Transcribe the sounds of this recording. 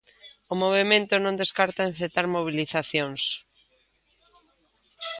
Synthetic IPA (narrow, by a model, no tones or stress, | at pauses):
omoβemẽnt̪ʊnõnd̪eskaɾt̪aen̟θet̪aɾmoβ̞iliθaθjoŋs